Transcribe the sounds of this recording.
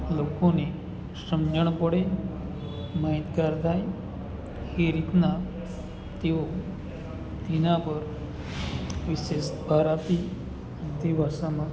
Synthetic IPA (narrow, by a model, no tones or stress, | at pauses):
lokone | sɾəmd͡ʑəɳpɔɽe | mait̪ɡaɾd̪ʱaj | hiɾit̪na | t̪iʋo | t̪inapəɾ | ʋiɕesbʱaɾat̪i | t̪ibʱasama